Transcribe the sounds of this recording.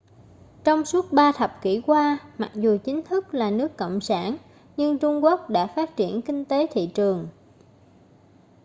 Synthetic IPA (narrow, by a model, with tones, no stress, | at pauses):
t͡ɕɔ˧wŋ͡msu˦˥ət̚ɓaː˧t̪ʰə˨˩p̚kḭ˧˩kwaː˧ma˨˩k̚zu˨˩t͡ɕï˨˦ŋ̟t̪ʰɨ˦˥k̚laː˨˩nɨ˦˥əkːo̰˧˨wŋ͡msaː˧˩n | ɲɨ˧ŋt͡ɕʊ˧ŋ͡mku˦˥ək̚ɗa̰ː˧˥faː˦˥t̚t͡ɕi˧˩ənkï˧ŋ̟t̪e˨˦t̪ʰḭ˧˨t͡ɕɨ˨˩əŋ